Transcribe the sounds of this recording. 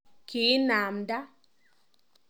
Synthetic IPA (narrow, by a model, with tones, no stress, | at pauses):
ki˨˦naː˨mda˦